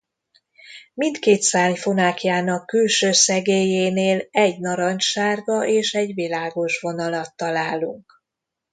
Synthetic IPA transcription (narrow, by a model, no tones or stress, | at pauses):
mint̪keːt̪saːɲfo̞naːkijaːnɒkːylʃøːsɛɡeːjeːneːlɛɟnɒɾɒɲt͡ʃʃaːrɡɒʔeːʃɛɟʋilaːɡo̞ʃʋo̞nɒlɒt̪ːɒlaːluŋk